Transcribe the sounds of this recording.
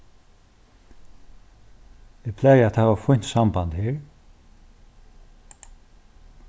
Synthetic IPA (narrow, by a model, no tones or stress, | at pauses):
ɪpʰlɛːjæt̪hæːvafʊn̥t̪sambant̪heːɹ